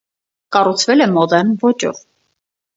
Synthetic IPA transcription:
kɑrut͡sʰvɛlɛmɔd̪ɛnvɔt͡ʃɔ̰v

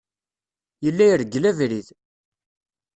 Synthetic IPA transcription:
jəlːæjəɾɡlævɾið

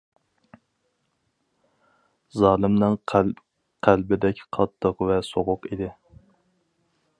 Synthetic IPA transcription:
zɑːlˠɨmnɨŋ | qʰælbɪd̪ɛkʲqʰɑt̪ʰːəqvɛsoʁʊqid̪ɪ

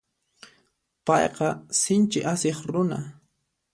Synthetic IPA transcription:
pɑjqɑsɪnt͡ʃɪʔaseχɾʊna̰

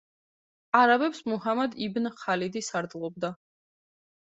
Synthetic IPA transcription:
aɾabɛpsmuhamad̪ibnχalid̪isaɾd̪lˠɔb̚d̪a

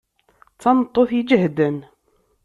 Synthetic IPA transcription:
t͡sːɑnət̪ˤːoθid͡ʒəhd̪ən

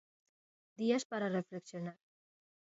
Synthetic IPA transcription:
d̪iaspaɾarefleksjonaɾ

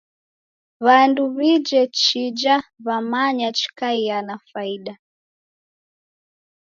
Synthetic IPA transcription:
βanduβid͡ʒɛt͡ʃid͡ʒaβamaɲat͡ʃi̥kaianafaiɗa

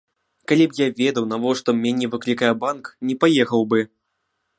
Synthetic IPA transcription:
kalʲipjavʲɛd̪ɐwnavɔʂt̪ɔmʲanʲɛvɨklʲikajɛbanknʲɛpajɛxɐwbɨ

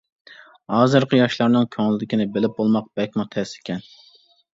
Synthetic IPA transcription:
hɑːzɨɾqʰəjɑʃlˠɑɾnɨŋkʲʰøŋlɪd̪ɪkʲinɪbɪlɪp̚bolˠmɑq̚bɛkʲmʊt̪ʰɛsɪ̥kʲɛn

